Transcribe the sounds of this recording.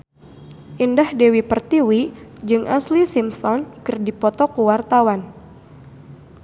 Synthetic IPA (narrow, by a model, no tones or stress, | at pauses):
ʔindahdewipərt̪iwid͡ʒɨŋʔaslisimsɔnkɨrdipɔt̪ɔkuwart̪awan